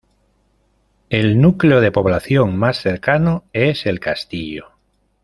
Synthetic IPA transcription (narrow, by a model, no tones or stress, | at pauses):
elnukleoð̞e̞po̞β̞laθjoŋmasθe̞ɾkanoese̞lkast̪iʎo